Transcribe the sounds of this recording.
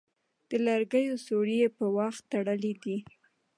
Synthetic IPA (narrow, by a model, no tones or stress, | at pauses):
d̪̥əlaɾɡəjosoɾijepəwaxt̪ːaɽəlid̪i